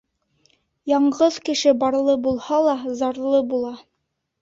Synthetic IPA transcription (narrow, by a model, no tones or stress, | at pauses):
jɑɴʁɤðkɘ̆ʃɘbɑɾlˠɤbulˠhɑlˠɑzɑɾlˠɤbulˠɑ